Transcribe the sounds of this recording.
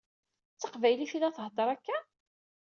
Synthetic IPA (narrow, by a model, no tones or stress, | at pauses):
t͡sːəqvæjliθilæθəɦd̪ˤɑɾˤækːæ